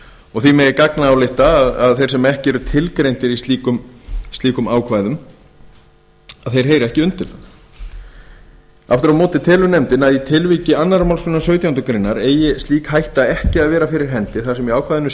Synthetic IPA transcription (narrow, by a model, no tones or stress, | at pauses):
ɔɣθimɛjɪkaknaːwlɪht̪aːðaðθejɾ̥sɛmaɛhcɪɛɾʏt̪ʰɪlkɾejnt̪ɪɾisiːkʏmst̪liːkʏmaːwkʰvaːjðʏm | aðθejɾ̥ɦeːjɾɛhcɪʏnt̪ɪla | a̰ft̪ʏɾawmɔːt̪ɪt̪ʰɛːlʏnɛmt̪ɪnaðit̪ʰɪlviːcɪanːaɾamawlskʏnːasœɥt̪jawnt̪ʏkɾejnːaɾeːjɪst̪liːkhajht̪aɛhcɪaðvɛːɾafɪɾɪɾ̥ɦɛnt̪ɪθḁsɛmiaːwkʰvajðʏn